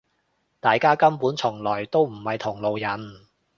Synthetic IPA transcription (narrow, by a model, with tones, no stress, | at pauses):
t̪aː˨jkaː˥kɐ˥mpuː˨˥nt͡ʃʰʊ˨˩ŋlɔː˨˩jt̪o˥wm̩˨˩hɐ˨jt̪ʰʊ˨˩ŋlo˨wjɐ˨˩n